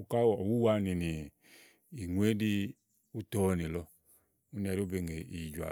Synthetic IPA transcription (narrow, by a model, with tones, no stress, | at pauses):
u˦˧ka˦˨ɔ˨wu˦wa˦ni˨ni˨ | i˨ŋʷe˨˦di˧ | u˦tɔ˦˨ni˨lɔ˧ | u˦ni˦a˨ɾu˦be˧ŋɡe˨i˨d͡ʒwa̰˨